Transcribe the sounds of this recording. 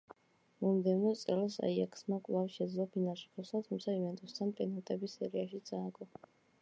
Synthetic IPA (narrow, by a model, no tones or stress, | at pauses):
mɔmd̪ɛɔt̪sʼɛlˠɔsa̰iakʰsmakʼlˠafʃɛd̪zlˠɔbinaʃupʰɔsat̪ʰumt̪sʰaivɛnt̪ʼɔst̪ʰanpʼɛnat̪ʼɛbisɛɾiaʃit̪sʼaːɡʼɔ